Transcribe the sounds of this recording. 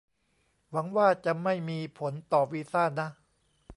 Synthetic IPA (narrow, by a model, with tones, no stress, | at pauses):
wa˩˦ŋwaː˥˩t͡ɕa˨˩ma˥˩jmiː˧pʰo˩˦nt̪ɔː˨˩wiː˦˧saː˥˩na˦˥